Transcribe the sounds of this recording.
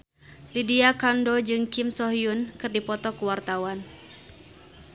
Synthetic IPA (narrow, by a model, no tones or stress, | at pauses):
lidiakandod͡ʒɨŋkɪmsɔɦiunkɨrdipɔt̪ɔkuwart̪awan